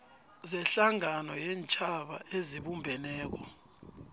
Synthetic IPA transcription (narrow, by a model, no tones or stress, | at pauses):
zɛɬaŋanɔjɛnt͡ʃʼʰaɓa̰eziɓumbʱɛnɛːk̬ɔ